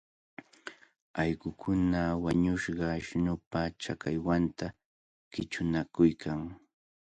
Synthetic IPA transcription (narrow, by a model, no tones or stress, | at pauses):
ɑjɢʊkʰʊnawaɲʊʃɢɑʃɪnʊpat͡ʃakajwant̪a | kɪt͡ʃʊnakʊjkʰaŋ